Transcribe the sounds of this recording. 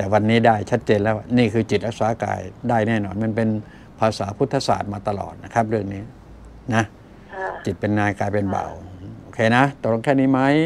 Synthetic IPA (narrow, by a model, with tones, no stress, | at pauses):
t̪ɛː˨˩wa˧nːiː˦˥daː˥˩jt͡ɕʰa˦˥t̪̚t͡ɕeː˧nlɛː˦˥˩waː˥˧˩niː˥˩kʰɯː˧t͡ɕi˨˩t̪̚ɾa˧˥k̚saː˨˦ka̰ː˧jdaː˥˩jnɛː˥˩nɔː˧˩nma˧˥˨npe˧n | pʰaː˧saː˩˦pʰu˦˥t̪ʰːa˧sa̰ː˨˩t̪̚maː˧t̪a˧lɔ̰ː˨˩t̪̚na˦˥˩kʰa˦˥p̚ɾɯ˥˩əŋniː˦˥˩ | na˦˥ | t͡ɕi˨˩t̪̚pe˧nŋaː˧jkaː˧jpe˧nba̰˨˩wʔoː˧kʰeː˧˩na˦˥t̪ɔ˧˩lo˧˩ŋkʰɛː˥˩niː˧˥˩ma˦˥˩j